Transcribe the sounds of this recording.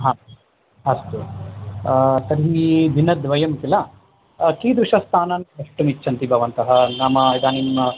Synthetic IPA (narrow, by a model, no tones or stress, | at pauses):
ɦaː | ɐst̪u | t̪ɐɾɦib̪ʱinːɐd̪ʋɐjɐmkilɐ | kiːd̪ɾuʂɐst̪ʰaːnaːnɐʂʈumit͡ʃːʃʰɐnt̪ibʱɐʋɐnt̪ɐɦɐnaːmɐid̪aːnim